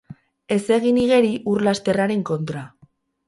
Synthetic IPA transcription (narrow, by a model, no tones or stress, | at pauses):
e̞se̞ɣ̞iniɣe̞ɾiʔurlast̪e̞raɾe̞ŋko̞nt̪ɾa